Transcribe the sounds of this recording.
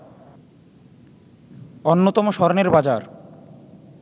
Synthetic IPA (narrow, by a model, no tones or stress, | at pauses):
onːot̪ɔmoʃɔɾoneɾbad͡ʑaɾ